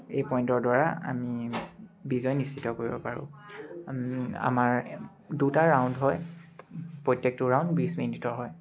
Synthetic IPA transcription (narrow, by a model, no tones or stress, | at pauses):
ejpɔjntɔɹdaɹa̰a̰mi | bizɔjnistitːɔkoɹibɔ̰paɹʊ̰̃ | a̰maɹ | dutaɹawndɦɔj | pɹɔjtːɛk̚tʊɹaw̃ndbisminitɔɹɦɔj